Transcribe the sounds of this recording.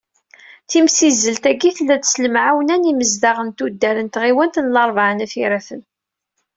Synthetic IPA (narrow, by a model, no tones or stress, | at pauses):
θimsizːəlt̪æɡiθlːæðsləmʕawnæniməzd̪aʁənt̪ud̪ːæɾənt̪ʁiwænt̪ənlɑɾˤvʕənæθiɾæθən